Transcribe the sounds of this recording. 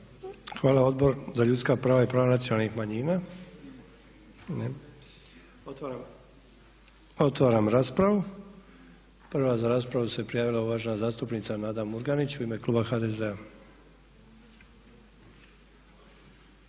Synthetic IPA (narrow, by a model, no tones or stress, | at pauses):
xʋaːlaɔd̪bɔɾzaʎut͡skaːpɾaːʋajɛpɾaːʋanatt͡sɪɔnaːlniɣmaɲiːna | ɲɛ | ɔt̪ː | ɔt̪ʋaːɾamɾaspɾaʋu | pr̩ʋaːzaɾaspɾaʋusapɾɛjaʋilauʋaːʒnaːzaːst̪upniːt͡sanad̪amːuɾɡanit͡ʃimɛklubaxaːd̪ɛːzɛa